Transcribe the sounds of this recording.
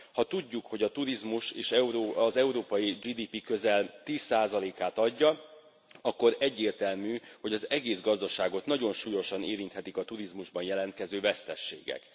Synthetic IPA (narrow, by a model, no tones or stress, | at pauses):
hɒt̪uɟːukho̞ɟɒt̪uɾizmuʃeːʃɛɾozɛuɾoːpɒjid͡ʒiːd̪iːpikøzɛlt̪iːsːaːzɒleːkaːt̪ɒɟːɒ | ɒkːo̞ɾɛɟːeːrt̪ɛlmyːho̞ɟɒzɛɡeːzɡɒzd̪ɒʃaːɡo̞t̪nɒɟo̞nʃuːjo̞ʃɒneːɾint̪hɛt̪ikɒt̪uɾizmuʒbɒnjɛlɛnt̪kɛzøːvɛst̪ɛʃːḛːɡɛ̰k